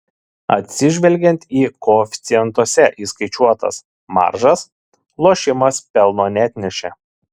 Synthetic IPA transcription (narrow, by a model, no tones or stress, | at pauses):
ɐ̰t̪ʲsʲɪʒʲʋʲɛlʲɡʲɛnʲt̪ʲiːkoːfʲɪ̥t̪sʲɪjɛnt̪uɔsʲɛʔiːskɐɪt͡ʃʲuɔt̪ɐ̰s | mɑ̰ɾʒɐs | lˠoːʃʲɪmɐspʲɛlˠnoːnʲæːt̪ʲnʲɛʃʲɛ